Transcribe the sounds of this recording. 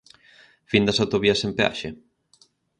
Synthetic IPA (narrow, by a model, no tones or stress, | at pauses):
find̪ɐsawt̪oβiɐsempea̰ʃe